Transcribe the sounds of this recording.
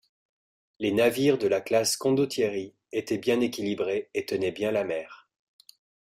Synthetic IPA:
lenaviʁd̪əlaklaskɔ̃d̪ot̪jeʁi | et̪ɛbjɛ̃nekʲilibʁeet̪ənɛbjɛ̃lamɛːʁ

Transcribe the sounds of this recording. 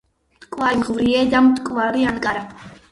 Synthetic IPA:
mt̪ʼkʼwaɾiʁvɾiɛd̪amt̪ʼkʼvaɾiankʼaɾa

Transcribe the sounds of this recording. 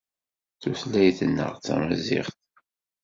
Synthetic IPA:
θuθlæjθənːə̰ʁt͡sːæ̰məzɪ̰ʁθ

